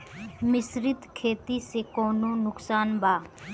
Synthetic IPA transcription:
mɪsɾɪt̪kʰeːt̪iːsekoːnõːnʊksaːnbaː

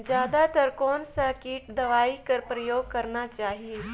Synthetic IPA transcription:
d͡ʒjaːd̪at̪əɾkɔːnsakiːʈ̚d̪ɐʋaːikɐɾpɾəjoːɡ̚kɐɾnat͡ʃaːɦie

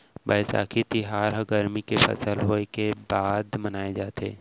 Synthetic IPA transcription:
bɐsa̰ːkʰit̪iɦaːɾɦɐɡəɾmikefɐ̰səlɦoːekebaːd̪mɐnaːed͡ʒaːt̪ḛː

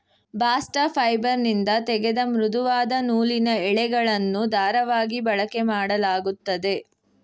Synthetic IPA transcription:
baːsʈɐpʰɐjbɐɾnind̪ɐt̪ɛɡed̪ɐmɾud̪uʋaːd̪ɐnuːlinɐɛɭɛɡɐɭɐnːud̪aːɾɐʋaːɡibɐɭɐkemaːɽɐlaːɡut̪ːɐd̪e̞

